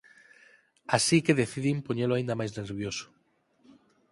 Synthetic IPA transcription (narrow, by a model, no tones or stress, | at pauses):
asikeðeθiðimpoɲeloaĩnd̪amajzneɾβ̞joso̥